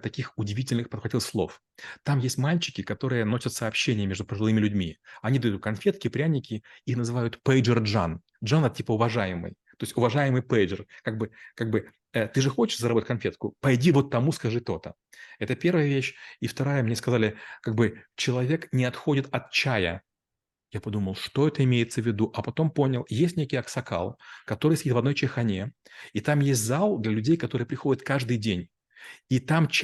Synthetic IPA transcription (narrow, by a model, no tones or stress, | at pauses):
t̪ɐkʲixʊdʲɪvʲitʲɪlʲnɨxpət̪xɐtʲilˠxslˠo̞̰f | t̪amjesʲtʲmalʲt͡ɕɪ̥kʲɪkɐt̪o̞ɾɨjəno̞sʲət̪sɐːpɕːenʲɪjəmʲe̞ʐd̪ʊpəʐɨlˠɨmʲɪlʲʉdʲmʲiɐnʲid̪ɐjut̪̚kɐnfʲe̞t̪kʲɪpɾʲænʲɪkʲɪixnəzɨvajʊt̪pɛjʐɨrʐa̰n | ʐanɛt̪̚tʲipəʊvɐʐajɪmɨ̰jt̪o̞ɪsʲʊvɐʐajɪmɨjpɛjʐɨrkaɡ̚bɨkaɡ̚bɨ | ət̪ɨʐɨxo̞t͡ɕɪ̥ʂzɐɾɐboət̚ʲkɐnfʲet̪kʊpɐjdʲivo̞t̪ːɐmuskɐʐɨt̪o̞t̪ə | ɛt̪əpʲe̞rvəjəvʲeɕift̪ɐɾajəmnʲeskɐzalʲɪkaɡ̚bɨt͡ɕɪlˠɐvʲe̞knʲɪɐt̪xo̞dʲɪt̪ɐt̪̚t͡ɕæjə̰ | japɐd̪uməlˠʂt̪o̞ɛt̪əɪmʲejɪt̪səvʲːɪd̪uʔɐpɐt̪o̞mpo̞nʲɪlˠjesʲtʲnʲekʲɪjɐksɐka̰lˠkɐt̪o̞ɾɨjsʲdʲit̪vɐd̪nojt͡ɕɪxɐnʲeit̪amjesʲtʲzalˠd̪lʲɐlʲʉdʲejkɐt̪o̞ɾɨjəpɾʲɪxodʲɪt̪kaʐd̪ɨjdʲenʲ | it̪amt͡ɕ